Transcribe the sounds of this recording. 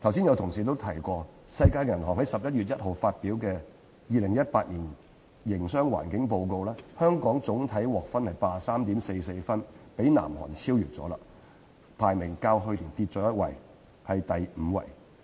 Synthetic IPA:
t̪ʰɐ˨˩wsi˥njɐ˨˧wt̪ʰʊ˨ŋsiː˨t̪o˥wt̪ʰɐ˨˩jkʷɔː˧ | sɐ˧jkaː˧jkɐ˨˩nɦɔ̰ː˨ŋhɐ˨˥jsɐ˨p̚jɐ˥t̚ɥyː˨t̚jɐ˥t̚ho˨wfaː˧t̚piː˨˥wkɛː˧ | jiː˨˧lɪ˨˩ŋjɐ˥t̚paː˧t̚niː˨˩n | jɪ˨˩ŋsœː˥ŋwa̰ː˨˩nkɪ˨˥ŋp̬o˧wko˧wlɛː˥hœː˥ŋkɔː˨˥ŋt͡sʊ˨˥ŋt̪ʰɐ˨˥jwɔː˨k̚fɐ˥nhɐ˨jpaː˨˧saː˥mt̪i˨˥mse˧jse˧jfɐ˥npe˨˥jna̰ː˨˩mɦɔ̰ː˨˩nt͡sʰiː˥wjyː˨˩t̚t͡sɔ̰ː˨˥la̰ː˧ | pʰaː˨˩jmɪ˨˩ŋkaː˧wɦɵ˧liː˨˩nt̪iː˧t̚t͡sɔː˨˥jɐ˥t̚wɐ̰˨˩j | hɐ˨jt̪ɐ˨jm̩˨˧wɐ̰˨˩j

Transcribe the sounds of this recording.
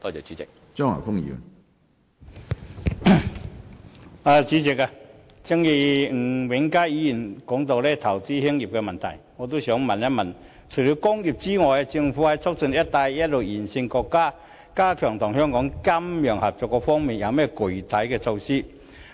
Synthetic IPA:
t̪ɔː˧˩t͡sɛ˨˩t͡ɕt͡syi˨˦˥ɪ˨k̚ | t͡sɔː˥ŋa̰˨˩fʊ˥ŋjḭ˧˥ŋ | a˨t͡siː˨˥t͡sɪ˨k̚a˧ | t͡si˥ŋji˧ŋ̩˨˩wɪ˨˥ŋkaː˥jiː˨˥ji˨˩nkɔː˨˥ŋt̪o˧wlɛ˥t̪ʰɐ˨˩wt͡siː˥hi˥ŋji˨p̚kɛ˧mɐ˨nt̪ʰɐ˨˩jŋɔ˨˧t̪o˥sœː˨˥ŋmɐ˨nɛ˥mɐ˨˩n | t͡sʰo˨˩jli˨˧˥wkʊ˥ŋji˨˩p̚t͡siː˥ŋɔː˨˩ja˧t͡sɪ˧ŋfuː˨˥hɐ˨˥jt͡sʰʊ˥k̚t͡sɵ˧njɐ˥t̚t̪a˧jjɐ˥t̚lo˨˩wjiː˨˩nsɪ˧ŋkɔ˧kːaː˥ | kaː˥kʰœː˨˩ŋt̪ʰʊ˨˩ŋɦœː˥ŋkɔː˨˥ŋkɐ˥mjœː˨˩ŋhɐ˨˩p̚t͡sɔː˨˩kːɔː˧fɔː˥ŋmiː˨njɐ˨˧wmɛː˥˩kʊ˨˩t̪ʰɐ˨˥jkɛ˧t͡sʰo˧wsiː˥

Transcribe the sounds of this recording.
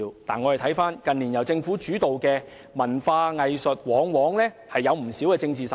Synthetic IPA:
t̪a̰ː˨nŋɔː˨˧hɐ˨jt̪ʰɐ˨˥jfaː˥nkɐ˨niː˨˩njɐ˨wt͡sɪ˧ŋfuː˨˥t͡ʃyː˨˥t̪o˨wkɛː˧ | mɐ˨˩nfaː˧ŋɐ˨jsɵ˨t̚wɔː˨˥ŋwɔː˨˥ŋlɛː˥ | hɐ˨jːɐ˨˧wm̩˨˩si˨˥wkɛː˧t͡sɪ˧ŋt͡siː˨˩s

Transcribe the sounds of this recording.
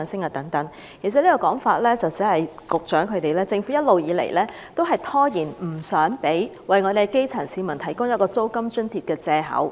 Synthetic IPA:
nsɪ˥ŋaː˨˩t̪ɐ˨˥ŋt̪ɐ˨˥ŋ | kʰi˨˩sɐ˨t̚li˥kɔː˧kɔː˨˥ŋfaː˧t̚lɛː˥t͡sɐ˨wt͡siː˨˥hɐ˨jkʊ˨k̚t͡ʃœː˨˥ŋkʰɵ˨˧ɥt̪e˨jlɛː˥t͡sɪ˧ŋfuː˨˥jɐ˥t̚lo˨wjiː˨˧˥lḛ˨˩jlɛː˥ | t̪o˥wɦɐ˨jt̪ʰɔː˥jiː˨˩nm̩˨˩sœː˨˥ŋpe˨˥jwɐ˨jŋɔː˨˧ɾe˨˩ke˥jt͡sʰɐ˨˩nsiː˨˧mɐ˨˩nt̪ʰɐ˨˩jkʊ˥ŋjɐ˥kɔː˧t͡so˥wkɐ˥mt͡ʃɵ˥nt̪ʰiː˨˧t̚kɛː˧t͡sɛː˧ɦɐ̰˨˥w

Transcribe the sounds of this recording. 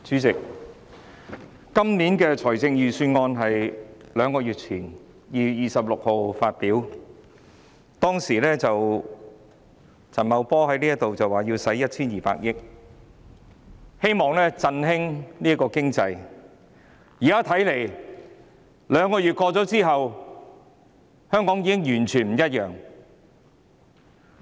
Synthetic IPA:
t͡syː˨˥t͡sɪ˨k̚ | kɐ˥mniː˨˥nkɛː˧t͡sʰɔː˨˩jt͡sɪ˧ŋjyː˨syː˧nŋɔː˧nɦɐ˨jlœː˨˧ŋkɔː˧jyː˨˩t̚t͡sʰiː˨˩n | jiː˨jiː˨sɐ˨p̚lʊ˨k̚ho˨wfaː˧t̚piː˨˥w | t̪ɔː˥ŋsiː˨˩lɛː˥t͡sɐ˨w | t͡sʰɐ˨˩nmɐ˨˧wpɔː˥ɦɐ˨˥jniː˥jɐ˥t̪o˨wt͡sɐ˨waː˨˩jiː˧wsɐ˨˥jɐ˥t̚t͡sʰiː˥njiː˨pa̰ː˧k̚jɪ˥k̚ | he˥jmɔː˨˩ŋlɛː˥t͡sɐ˧nɦɪ˥ŋniː˥ɐ˥kːɔː˧kɪ˥ŋt͡sɐ˧j | jiː˨˩kaː˥t̪ʰɐ˨˥jle˨˩j | lœː˨˧ŋkɔː˧jyː˨t̚kɔː˧t͡sɔː˨˥t͡siː˥ɦɐ˨w | hœː˥ŋkɔː˨˥ŋjiː˨˧kɪ˥ŋjyː˨˩nt͡ʃʰyː˨˩nm̩˨˩jɐ˥t̚jœː˨˩ŋ

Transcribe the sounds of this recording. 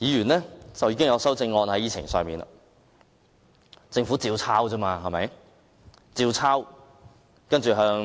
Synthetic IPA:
jiː˨˧jyː˨˩nlɛ˥t͡sɐ˨wjiː˨˧k̬ɪ˥ŋjɐ˨˧wsɐ˥wt͡sɪ˧ŋːɔː˧nhɐ˨˥jiː˨˧t͡sʰɪ̰˨˩ŋsœ̰ː˨ŋmiː˨˩na̰˨ | t͡sɪ˧ŋfuː˨˥t͡siː˧wt͡sʰaː˥wt͡sɐː˥maː˧ɦɐ˨˩mɐ̰˨˥j | t͡siː˧wt͡sʰaː˥w | kɐ˥nt͡ʃyː˨˩ɦœː˧ŋ

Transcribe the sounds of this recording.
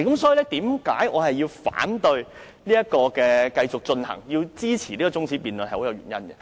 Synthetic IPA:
kɐ˨˦msɔː˨˥iː˨˧lɛ˥t̪iː˨˥mka̰ː˨˥jʔɔ̰ː˨˧hɐ˨jːiː˧wfa̰ː˨˥nt̪ɵ˧ɥ | niː˥jɐ˥kɔː˧kɛː˧kɐ˧jt͡sʊ˨˩k̚t͡ʃɵ˧nhɐ̰˨˩ŋjiː˧wt͡siː˥t͡sʰiː˨˩liː˥kɔː˨˧t͡sʊ˥ŋt͡sʰi˨˥piː˨nln˨˩ho˨˥wjɐ˨˧wɥyː˨˩njɐ˥nɡɐ˨

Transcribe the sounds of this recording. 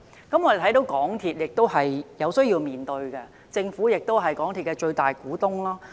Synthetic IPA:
kɐ˨˥mɔː˧d̪e˨t̪ʰɐ˨˥jt̪o˨˥wkɔː˨˥ŋt̪ʰiː˨t̚jɪ˨k̚t̪o˥wɦɐ˨jjɐ˨˧wsɵ˥ɥjiː˧wmiː˨˩nt̪ɵ˧ɥkɛ˧ | t͡sɪ˧ŋfuː˨˥jɪ˨k̚t̪o˥wɦɐ˨jkɔː˨˥ŋt̪ʰi˨t̚kɛ˧t͡ʃɵ˧ɥt̪aː˨jkuː˨˥t̪ʊ˥ŋlaː˥

